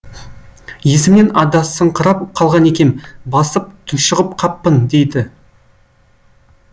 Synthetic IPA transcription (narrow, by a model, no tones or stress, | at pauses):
je̞sɪmne̞nɑd̪ɑsəɴqʰəɾɑp̚qʰɑlˠʁɑne̞kʲe̞mbɑsəp̚t̪ʰʊʃəʁəp̚qʰɑpːənd̪e̞jd̪ɪ